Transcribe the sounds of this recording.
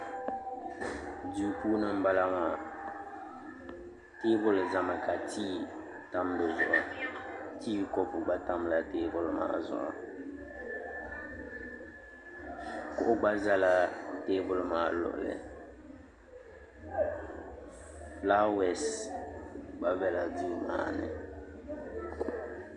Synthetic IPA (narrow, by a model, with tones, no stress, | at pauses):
di˦puː˦nɨ˦m̩˦ba˦la˦maː˨ | te˦bʊ˦lza˨ma˨ka˨tʰiː˦ | ta˦mbɨ˨zʊ˨ʔʊ˨ | tiː˦˨kɔ˦pʊ˨ɡ͡ba˦ta˦mla˦teː˦bʊ˦lʊ˦ma̰ː˦zʊ̰˨ʔʊ̰˨ | kʊ˦ʔʊ˦ɡ͡ba˦za˦la˦teː˦bʊ˦lmaː˨˦˨lʊ̰˨ʔlɪ̰˨ | fla˦wɛ˦s | ɡ͡ba˦bɛ˦la˨di˦ma̰ː˦nɪ̰˨